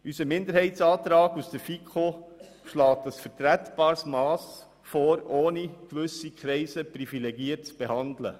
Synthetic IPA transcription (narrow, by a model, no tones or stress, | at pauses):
ysəmɪnd̪əɾhɛɪtsɑːt̪ɾɑːɡusd̥əfikʰχo | ʃlɑːt̚dɑsfəɾtɾætb̥ɑːɾsmɑːs | foːɾoːnikʋʏsikχɾɛɪsəpɾifilɛɡiət̚t͡sb̥ehɑndlə̰